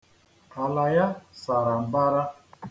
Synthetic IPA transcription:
a˨la˨ja˦sa˨ɾa˨m˨ba˦ɾa˦

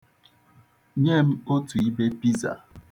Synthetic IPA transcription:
ɲe˦m̩˦o˦tu˨i˦be˦pi˦za̰˨

